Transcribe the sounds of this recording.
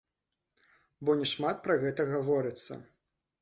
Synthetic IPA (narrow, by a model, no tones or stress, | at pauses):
bɔnʲɛʂmat̪̚pɾɐɣɛt̪ɐɣavɔɾɨt̪sːɐ̰